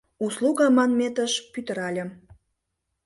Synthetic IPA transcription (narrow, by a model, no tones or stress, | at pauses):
usluɣɑmɑnmet̪əʃpyt̪ə̆ɾɑlʲə̆m